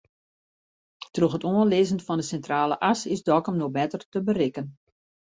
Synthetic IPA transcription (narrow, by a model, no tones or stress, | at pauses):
troxətoənlɪzənfɔndəsɛntraːlə̰ʔasɪsdɔkɔmnoxbɛtərtəbəɾɪkən